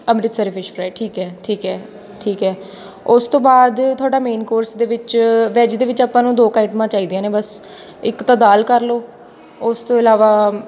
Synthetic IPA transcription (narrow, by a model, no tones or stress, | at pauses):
əmɾɪt̪səɾfʰɪʃpʰɾajʈʰiːkɦɛːʈʰiːkɛː | ʈʰiːkɛː | ʊst̪õːbaːd̪t̪ʰʊaːɖaːmeːnkoːɾsd̪eːʋɪt͡ʃʋɛːd͡ʒd̪eːʋɪt͡ʃaːpːãːnũːd̪oːkaːɪʈmãːt͡ʃaːiːd̪ijãːneːbəs | ɪkt̪ãːd̪aːlkəɾloː | ʊst̪õːɪlaːʋaː